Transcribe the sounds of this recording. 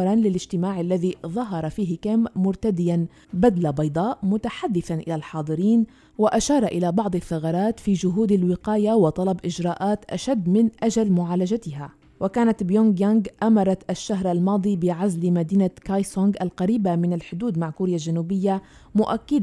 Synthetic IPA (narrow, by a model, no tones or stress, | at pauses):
ɾˤɑnlɪlɪʒt̪ɪmaːʕalːaðiðˤɑɦɑɾˤɑfiːɦɪkamːʊɾˤt̪ad̪ɪjan | bad̪labɑjd̪ˤɑːʔʔmʊt̪aħad̪ːɪθanʔɪlalħɑːd̪ˤɨɾiːn | waʔaʃɑːɾˤɑʔɪlabɑʕd̪ˤɑθːɑɣɑɾˤɑːt̪fiːd͡ʒʊɦuːd̪alwɪqɑːjawɑt̪ˤɑlɑbʔɪd͡ʒɾˤɑːʔaːt̪ʔa̰ʃad̪ːmɪnʔaʒalmʊʕaːlad͡ʒat̪ɪɦa | wʔakaːnat̪bjoŋɡjaŋɡʔamɑɾˤɑt̪ʔaʃːaɦɾʔalmɑːd̪ˤiːbɪʕazlmad̪iːnakajsoŋɡʔalqɑɾiːbamɪnalħʊd̪uːd̪maʕkuːɾjalʒanuːbɪjːa | mʊʔakːɪd̪